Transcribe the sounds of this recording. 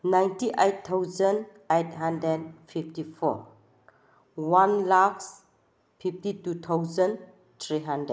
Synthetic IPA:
nãjntiʔejt̪ʰːawzə̃n | ejtɦãndɛnfʰiftifɔ̰ | wãnlaks | fʰiftitut̪ʰawzə̃n | t̪ʰɹiɦãndɹəd̚

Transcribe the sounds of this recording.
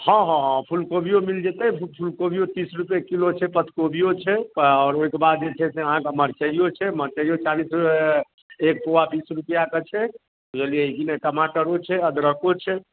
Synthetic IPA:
hɔ̃ɦɔ̃pʰulkobijomild͡ʒet̪ɛpʰulkobʱijot̪isɾupjekilot͡ʃʰɛpət̪ʰkobijot͡ʃʰɛpɔːɾoikebad̪̚d͡ʒet͡ʃʰɛseəɦãkeməɾt͡ʃəijot͡ʃʰɛməɾt͡ʃəijot͡ʃalisɾue | ek̚poabisɾupjaket͡ʃʰɛ | od͡ʒelieiɡinekəmaʈəɾot͡ʃʰɛəd̪ɾəkot͡ʃʰɛ

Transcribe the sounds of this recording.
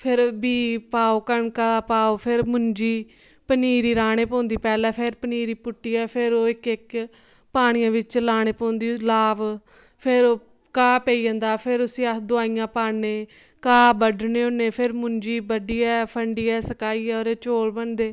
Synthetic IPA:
pʰɪɾbiːpaːoːkəɳkaːpaːoːpʰɪɾmʊɲd͡ʒiː | pəniːɾiːɾaːɽ̃eːpõːnd̪iːpɛːlɛːpʰɪɾpəniːɾiːpʊʈːiːɛːpʰɪɾoːɪkɪk | paːɽ̃ɪjãːʋɪt͡ʃlaːɽ̃eːpõːnd̪iːlaːʋ | pʰɪɾoː | kaːpeːiːãːnd̪aːpʰɪɾʊsĩːəd̪ʊaːijãːpaːneːkaːbəɖneːõːneːpʰɪɾmʊ̃ɲd͡ʒiːbəɖiːɛːpʰəɳɖiːɛːsəkaːiːɛːoːɾeːt͡ʃoːlbənd̪eː

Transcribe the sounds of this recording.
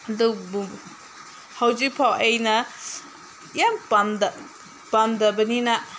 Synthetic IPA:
ɐdu | hawzik̚pʰawɐjnɐ | jampamdɐ | pamdɐbɐninɐ

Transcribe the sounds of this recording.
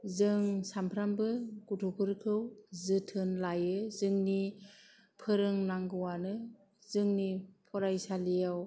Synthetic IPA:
zɯŋsampʰɾambɯɡutʰupʰɯɾkʰɯwzɯtʰɯnlajɯzɯŋni | pʰɯɾɯŋnaŋɡɯwanɯ | zɯŋnipʰɔɾajsalijaw

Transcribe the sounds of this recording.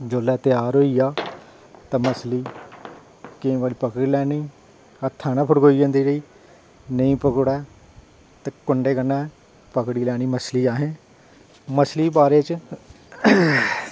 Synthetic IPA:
d͡ʒoːlɛːt̪ɪjaːɾɦoːiːjaː | t̪ãːməsliː | kẽːʋaːliːpəkɽiːlɛːniː | ət̪ʰaːnaːpʰʊʈɡoːiːd͡ʒãːnd̪iːd͡ʒəiː | nəĩːpəkɽɛː | t̪ekʊɳɖeːkənːãː | pəkɽiːlɛːñiːməsliːaːɦẽː | məsliːbaːɾeːt͡ʃ

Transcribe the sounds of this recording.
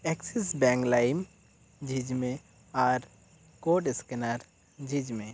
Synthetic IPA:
ɛksisbɛŋklajm | d͡ʒid͡ʒmẽ | aɾ | koʈeskenaɾ | d͡ʒid͡ʒmẽ

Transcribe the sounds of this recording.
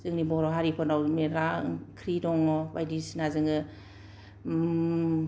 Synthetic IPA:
zɯŋnibɔɾɔɦaɾipʰɔnawmiɾakʰɾidɔŋɔba̰jdisnazɯŋɯ

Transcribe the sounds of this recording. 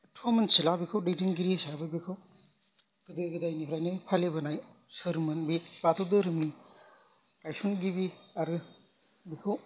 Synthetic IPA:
tʰomensilabikʰawdetiŋɡiɾisabɯbikʰaw | ɡ̥ɯdɯɡidajnipʰɾajnɯjpʰalebɐnaj | sɯɾmɯnbibat̪ʰowdɯɾɯmi | kajsunɡibiaɾɯ | bikʰaw

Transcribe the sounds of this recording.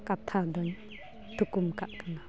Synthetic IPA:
kap̚t̪ʰad̪ɔɲ | t̪ʰukumkaʔkana

